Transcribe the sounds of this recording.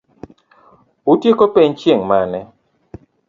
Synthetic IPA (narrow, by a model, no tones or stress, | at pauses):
ʊtjekopeɲt͡ʃjeŋmanɛ